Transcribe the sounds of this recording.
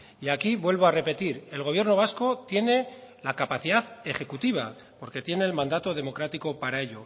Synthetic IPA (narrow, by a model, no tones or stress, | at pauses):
iakiβwe̞lβo̞are̞pe̞t̪iɾe̞lɣ̞oje̞ɾno̞β̞asko̞t̪je̞ne̞lakapaθiðaðe̞χe̞kut̪iβ̞a̰ | po̞ɾke̞t̪je̞ne̞ːlmãnd̪at̪o̞ð̞e̞mo̞kɾat̪iko̞paɾae̞ʎo̞